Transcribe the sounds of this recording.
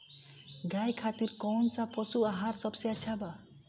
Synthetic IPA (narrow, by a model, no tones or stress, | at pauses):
ɡajkʰat̪iɾkɔnsapʌsuaɦaɾsʌbseat͡ʃʰaba